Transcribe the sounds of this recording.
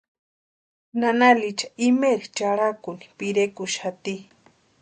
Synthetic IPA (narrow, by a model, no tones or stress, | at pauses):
nanalit͡ʃḁimeɾit͡ʃaɽakuni̥piɾekuʃat̪i